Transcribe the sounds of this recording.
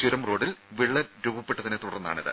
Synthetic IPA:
t͡ɕuɾɐmro̞ːɽilʋiɭːɐɾubɐpːeʈːɐðinet̪uɽɐrnːa̰ːɳiðɨ̰

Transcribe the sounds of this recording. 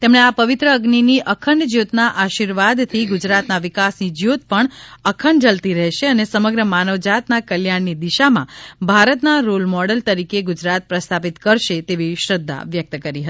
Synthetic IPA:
t̪emɳeapəʋɪt̪ɾəːɡniniʔəkʰəɳd͡ʒjot̪naʔaʃiɾʋad̪t̪ʰiɡʊd͡ʒɾat̪naʋɪkasnid͡ʒjot̪̚pəɳəkʰəɳɖd͡ʒəlt̪iɾɛɦʃeənesəməɡɾəmanəʋd͡ʒat̪nakəljaɳːid̪iʃamã̰bʱaɾət̪naɾolmɔɽəlt̪əɾikeɡud͡ʒɾat̪̚pɾəst̪ʰapit̪kəɾʃet̪eʋiʃɾəd̪ʱːa̰ʋjək̚t̪əkəɾiɦət̪i

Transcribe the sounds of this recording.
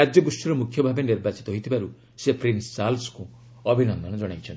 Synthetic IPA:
ad͡ʒjɔɡusʈiɾɔmukʰjɔbʱabeniɾbat͡ʃi̥t̪ɔɦojt̪ʰibaɾu | sepɾinsːalsku | ɔbʱinɔnd̪ʱɔnɔd͡ʒɔɽ̃ajt͡ʃʰɔnt̪

